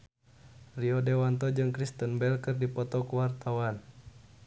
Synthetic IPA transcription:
riɔdɛwant̪ɔd͡ʒɨŋkɾist̪ənbɛlkɨrdipɔt̪ɔkuwart̪awan

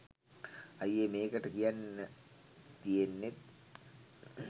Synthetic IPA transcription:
ɐjemeːkɐʈːɐkijanː | t̪ijenːet̪̚

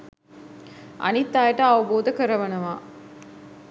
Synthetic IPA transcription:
ʔɐ̰nit̪ːaːjeʈəɐʋɐboːd̪ɐkəɾɐʋɐnɐʋaː

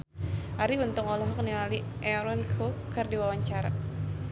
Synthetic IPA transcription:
ʔaɾibənt̪ʊŋɔlɔɦɔk̚niali | ʔɛɾɔnkʰokɨrdiwawaɲt͡ʃaɾa̰

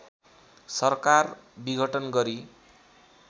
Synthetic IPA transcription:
sʌrkarbiɡʱʌʈʌnɡʌɾi

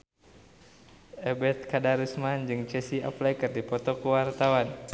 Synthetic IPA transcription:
ɛbɛt̪̚kadaɾusmand͡ʒɨŋt͡ʃɛsia̰plajkərdipɔt̪ɔkuwart̪awan

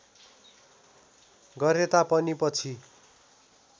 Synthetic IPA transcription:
ɡʌɾet̪apʌnipʌt͡sʰi

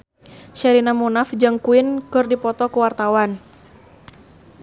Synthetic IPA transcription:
ʃɛɾinamunafd͡ʒɨŋkuɪnkɨrdipɔt̪ɔkuwart̪awan

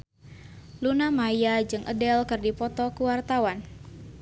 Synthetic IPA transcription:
lunamajad͡ʒɨŋʔə̰dɛlkɨrdipɔt̪ɔkuwart̪awan

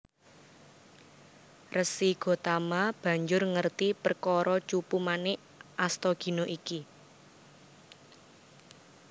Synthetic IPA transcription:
rəsiɡ̥o̤t̪amab̥ä̤ɲd͡ʒʊrŋərt̪ipərkɔɾɔt͡ʃupumanɪʔ | ʔast̪ɔɡ̥i̤noʔiki

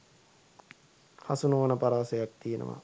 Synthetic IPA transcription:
hasunoʋənəpaɾaːsejak̚t̪ijenʔə̰ʋa̰

